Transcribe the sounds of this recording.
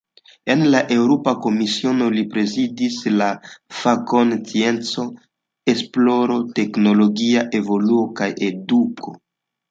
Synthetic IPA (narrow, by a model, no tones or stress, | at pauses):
e̞nlaʔe̞wɾopako̞misio̞no̞lipɾe̞zidislafako̞nt͡sie̞nt͡so̞ | e̞splo̞ɾo̞te̞kno̞lo̞ɡiaʔe̞vo̞luokajʔe̞dukʰo̞̰